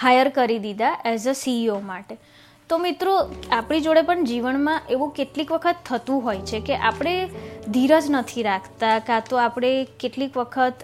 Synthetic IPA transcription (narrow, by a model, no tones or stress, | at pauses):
hajəɾkəɾid̪id̪aʔɛzəsiomaʈe | t̪omɪt̪ɾoapɽ̃id͡ʒoɽepəɳd͡ʒiʋənmãʔeʋũkeʈlikʋəkʰət̪ʰːət̪ũɦojt͡ʃʰekeʔapɽ̃ed̪ʱiɾəd͡ʒnət̪ʰiɾakʰt̪akãt̪oapɽ̃ekeʈlikʋəkʰət̪